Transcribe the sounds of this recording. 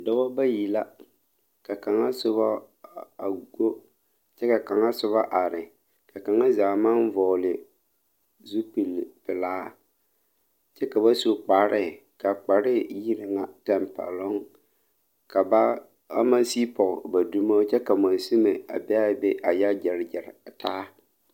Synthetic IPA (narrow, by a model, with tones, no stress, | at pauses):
dɔ˦wa˦ba˦ji˨la˦ | ka˨ka˨ŋa˦sʊ˦βa˦ | a˨ɡo˦ | t͡ʃɛ˦ka˨ka˨ŋa˦sʊ˦βa˦ʔa˨ɾɪ˨ | ka˨ka˨ŋa˦zaː˨ma˦nvɔ˨lɪ˨ | zu˦pi˨lpɪ˨laː˦ | t͡ʃɛ˦ka˨ba˦so˦k͡pa˨ɾɪ˦˨ | ka˨k͡pa˨ɾɪ˦˨ji˦ɾɪ˨ŋa˨tɛ˨mpa̰˨lɔ˦ŋ | ka˨ba˦ | a˦ma˦siː˦pɔ˨ɣba˨du˦ma˦t͡ʃɛ˦ka˨ma˨nsi˦me˨a̰˨bɛ˦a˦be˦ʔa˨ja˦d͡ʒɪ˨ɾd͡ʒɪ˨ɾtaː˦